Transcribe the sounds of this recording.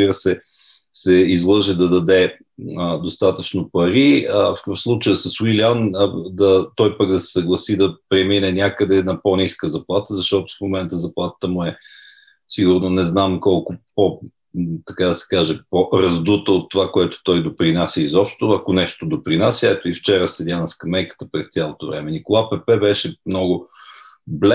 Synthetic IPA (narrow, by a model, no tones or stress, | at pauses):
zbiɾəsɛsɛizlˠɤʒɛd̪ɐd̪ɐd̪ɛ | d̪ost̪at̪ət͡ʃnopɐɾiəfkkəfslˠut͡ʃəjəsəswilʲand̪ɐt̪ɔjpəkd̪ɐsɛ̥sɐɡlˠɐsid̪ɐpɾɛminɛnʲakəd̪ɛnɐponʲiskəzɐplˠat̪əzɐʃt̪ɔt̪ʊ̥fmomɛnt̪əzɐplˠat̪ə̥t̪əmʊɛ | siɡʊɾnonɛznamkɔlˠkʊpo | t̪ɐkad̪ɐsɛ̥kaʒɛpoɾɐzd̪ut̪əot̪ːovakoɛt̪o̥t̪ɔjd̪opɾinasʲəizɔpʃt̪oɐkonɛʃt̪od̪opɾinasʲjɛt̪oift͡ʃɛɾəsɛd̪ʲanəskɐmːɛjkə̥t̪əpɾɛst̪sʲjalˠot̪o̰vɾɛmɛnikolˠapɛpɛbɛʃɛmnɔɡʊ | blɛ